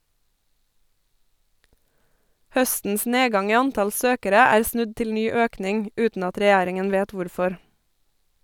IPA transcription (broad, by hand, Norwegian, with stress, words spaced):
ˈhœstn̩s ˈneːˌɡɑŋ ˈiː ˈɑnˌtɑl ˈsøːkəɾə ˈæːɾ ˈsnʉd ˈtɪl ˈnyː ˈøːknɪŋ ˈʉːtn̩ ˈɑt ɾɛˈjæːɾɪŋən ˈʋeːt ˈʋʊɾˌfɔɾ